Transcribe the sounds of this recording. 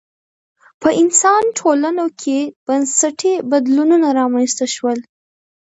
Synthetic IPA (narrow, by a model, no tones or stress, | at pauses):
pəʔɪnsɑnʈʰolanokʰeb̥ansaʈʰebad̪lununaɾɑmanst̪aʃwəl